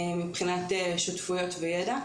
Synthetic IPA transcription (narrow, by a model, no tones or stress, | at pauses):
mipχinateʃutfujo̞tvejeda